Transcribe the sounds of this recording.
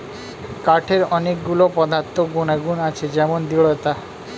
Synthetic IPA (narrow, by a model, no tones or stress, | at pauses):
kaʈʰeɾɔnekɡulopɔd̪ʱat̪ːoɡunaɡunat͡ʃʰed͡ʒɛmond̪iɭɔt̪a